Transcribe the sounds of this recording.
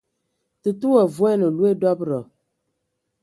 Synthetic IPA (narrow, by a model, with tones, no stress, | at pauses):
tɨ˨tu˦wa˨vwɛ˦nɨ˨lu˨˦e˦dɔ˦bɾə˨